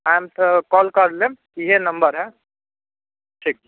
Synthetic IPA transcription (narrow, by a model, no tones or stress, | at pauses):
amskɔlkəɾle | iɦenəmbəɾɦɛ | ʈʰik̚d͡ʒi